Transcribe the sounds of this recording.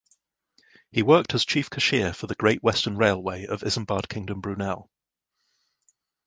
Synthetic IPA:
hiwɜˑk̚tʰəz̥t͡ʃʰiˑfkʰəʃɪəfəðəɡ̥ɹeɪʔwɛstənɹeɪlˠweɪʔə̰vɪzə̃mbɑːd̥̚kʰɪ̃ŋdə̃mbɹʉːnɛlˠ

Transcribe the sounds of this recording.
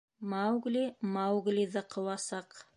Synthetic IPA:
mawɡlʲimawɣlʲiðɑqʰɤ̆wɑsɑq

